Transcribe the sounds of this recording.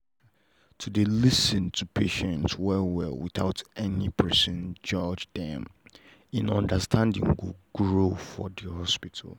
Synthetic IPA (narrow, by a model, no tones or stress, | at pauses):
tʰudelisɨ̃ntʰupʰeʃɛ̃ntswɛwɛlwiθaʊtɛnipʰɜ˞sɔ̃nd͡ʒɔd͡ʒdɛ̃m | ĩnɔ̃ndəstʰãndɪ̰̃ŋɡuɡɹofɔdihɔspitʰal̩ˠ